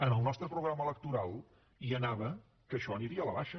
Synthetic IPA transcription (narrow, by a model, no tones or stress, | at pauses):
ənəlˠnɔst̪ɾəpɾuɣɾamələk̚t̪uɾalˠ | iənaβə | kəʃɔəniɾiələβaʃə